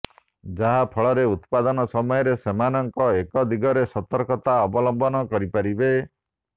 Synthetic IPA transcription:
d͡ʒaɦapʰɔɭɔɾeut̪pad̪ɔnɔsɔmɔjɔɾesemanɔŋkɔekɔd̪iɡɔɾesɔt̪ɔɾkɔt̪aɔbɔlɔmbɔnɔkɔɾipaɾibe

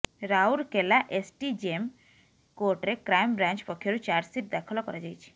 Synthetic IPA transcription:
ɾauɾkelaʔesʈid͡ʒem | koɾʈɾekɾajmbɾãnt͡ʃpɔkʰːjoɾut͡ʃaɾɖsiʈ̚d̪akʰɔlɔkɔɾad͡ʒajt͡ʃʰi̥

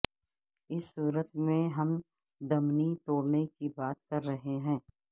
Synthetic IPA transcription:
ɪsːuːɾət̪mẽɦɐm | d̪ɐmnit̪oːɽnekibaːt̪̚kɐɾːɐɦeɦɛ̃ː

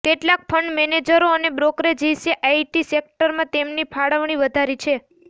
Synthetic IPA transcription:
keʈlak̚fʰəɳɖmɛned͡ʒəɾoənebɾokɾed͡ʒiseʔaiʈisek̚ʈəɾmãt̪emnipʰaɽəʋɳ̃iʋəd̪ʱaɾit͡ʃʰe

